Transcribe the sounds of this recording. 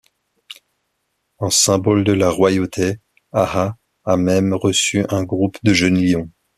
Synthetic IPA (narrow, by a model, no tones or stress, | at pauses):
ɛ̃sɛ̃bɔld̪əlaʁwajot̪ʰe | ahaː | mɛmʁəsyʔɛ̃ɡʁupd̪əʒənljɔ̃